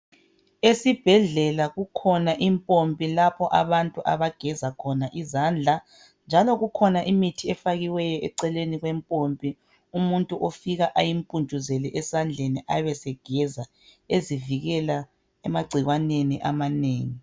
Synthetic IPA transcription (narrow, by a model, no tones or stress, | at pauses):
esib̥ʱɛɮɛlaɣukʰɔnaʔimpʼompʼilapʰɔʔaβantʼuʔaβaɡ̥ʱɛzakʰɔnaʔizand͡ɮʱa | nd͡ʒʱalɔɣukʰɔnaʔimitʰiɛfaɣiwɛjɔʔɛǀɛleniɣwɛmpʼompʼi | umuntʼuʔofiɣaʔajimpʼund͡ʒʱʼuzɛlɛʔɛsand͡ɮʱeniʔaβɛsɛɡ̥ʱɛza | eziviɣɛla | ɛmaɡ͡ǀʱiɣwaneniʔamaneːŋi